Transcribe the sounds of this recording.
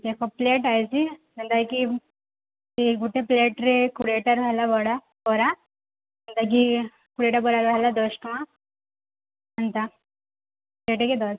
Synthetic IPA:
t̪ekʰɔpleʈajt͡ɕimənt̪ajki | t̪iɡuʈepleʈɾekuɽeʈaɾʋʱalabɔɽa | bɔɾa | m̤ənt̪ak̬i | kuɽeʈabɔɽaɾʋʱalad̪ɔsʈma | mənt̪a | pleʈeked̪ɔs

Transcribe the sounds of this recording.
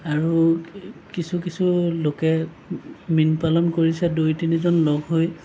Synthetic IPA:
aɹu | kisukisulokɛ | minpalɔnkoɹisɛdojtinizɔnlɔɡɦoj

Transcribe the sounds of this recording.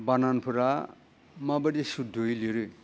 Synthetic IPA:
bananpʰɯɾa | mabɯdisudʱojliɾɯ

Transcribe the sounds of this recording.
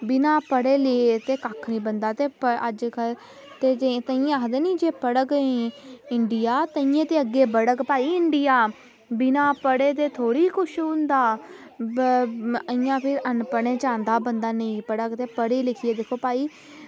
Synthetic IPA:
bɪnaːpəɽeːlɪet̪eːkakʰnĩːbənd̪aːt̪eːpəəd͡ʒkə | t̪eːd͡ʒet̪əĩːakd̪eːnĩːd͡ʒeːpəɽəkẽɪɳɖɪjaːt̪əĩːẽːt̪eːəɡːeːbəɽəkpaːiːɪɳɖɪjaː | bɪnaːpəɽeːt̪̬eːt̪ʰoːɽiːkʊʃʊ̃nd̪aː | əɪ̃jãːpʰɪɾʔənpəɽẽːt͡ʃãːnd̪aːbənd̪aːnəĩːpəɽəkt̪eːpəɽiːlɪkʰieːd̪eːkʰːoːpaːiː

